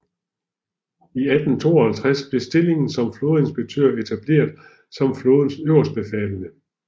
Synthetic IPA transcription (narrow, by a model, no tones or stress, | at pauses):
iæd̥n̩t͡sʰo̝̰ːɒhælt͡sʰʁasb̥le̝sd̥e̝le̝ŋn̩sɒ̽mflo̝ːð̩ˠe̝nsb̥eɡ̥̚t͡sʰø̰ɐ̰e̝t͡sʰæb̥le̝̰ːɐðˠ | sɒ̽mfloːðˠn̩søʊ̰ɐsd̥̚b̥efɛ̰ːlənə